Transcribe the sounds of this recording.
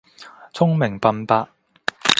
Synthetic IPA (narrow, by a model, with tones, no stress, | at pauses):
t͡sʰʊ˥ŋmɪ˨˩ŋpɐ˧npaː˥